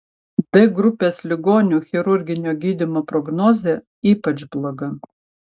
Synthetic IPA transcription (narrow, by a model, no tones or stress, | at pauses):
d̪ɐɡrʊpʲeːslʲɪɡonʲuxʲiɾʊrʲɡʲɪnʲoɡʲiːd̪ʲɪmoprɔɡnozʲe | iːpɐt͡ʃblˠoɡɐ